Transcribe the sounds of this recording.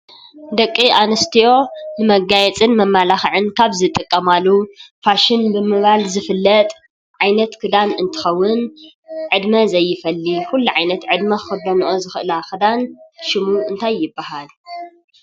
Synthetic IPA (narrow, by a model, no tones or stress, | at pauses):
d̪ɐkʼːiʔanɐst̪ʰio̞nɨmɐɡajɛt͡sʼɨnmɐmːalaxɨʕɨnkʰaβzɨt̪ʼɨkʼːɐmalːufaʃɪnbɨmɨβalzɨfɨlːɐt̪ʼ | ʕajnɐt̪kʰɨd̪anɨnt̪ʰɨ̥xɐwːʊn | ʕɨd̪mɐzɐjːɪfɐlːikulːuʕajnɐt̪ʕɨd̪mɐxɨd̪ɐnʔozɨxɨʔɨlakɨd̪anʃɪmuʔɨnt̪ʰajːɪbːahal